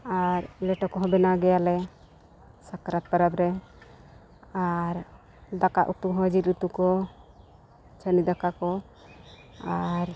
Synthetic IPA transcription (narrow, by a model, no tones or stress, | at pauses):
aɾlɛʈɔkɔɦɔbɛnaɡɛjalɛ | sakɾat̪̚pəɾabɾɛ | aɾ | d̪aka̰ʔut̪uɦəd͡ʒiɾut̪ukɔ | t͡ʃənid̪akakɔ | aɾ